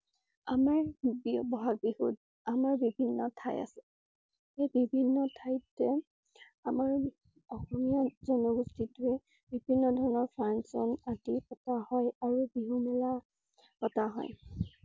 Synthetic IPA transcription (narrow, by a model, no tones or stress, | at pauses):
amaɹbbɔɦak̚biu | amaɹbibʱinːɔtʰaja̰sɛ | ejbibʱinːɔtʰajtɛ | amaɹ | ɔxɔmijazɔnɔɡustitʊe | bibʱinːɔdʱɔɹɔnɔɹpʰɹansɔ̰natikɔtahɔjaɹubiɦumɛla | kɔtaɦɔ̰j